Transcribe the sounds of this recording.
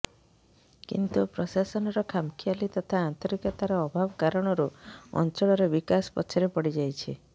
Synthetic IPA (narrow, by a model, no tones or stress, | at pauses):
kḭnt̪upɾɔsasɔnɔɾɔkʰamkʰialit̪ɔt̪ʰaːnt̪ɔɾikɔt̪aɾɔːbʱabɔkaɾɔɽ̃ɔɾuɔ̰nt͡ʃɔɭɔɾebikaspɔ̰t͡ʃʰɔɾepɔɽid͡ʒajt͡ʃʰi